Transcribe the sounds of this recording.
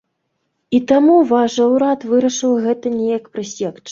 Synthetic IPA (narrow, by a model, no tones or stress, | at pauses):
it̪amuvaʂɐwɾat̪vɨɾɐʂɨwɣɛt̪ɐnʲɛjɐkpɾɨsʲɛkt͡ʂ